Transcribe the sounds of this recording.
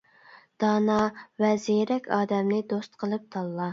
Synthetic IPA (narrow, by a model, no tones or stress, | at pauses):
d̪̥ɑːnɑvɛzejɾɛkʲʰɑːd̪ɛmnɪd̪ost̪qʰəlˠɨp̚t̪ʰɑlˠːɑ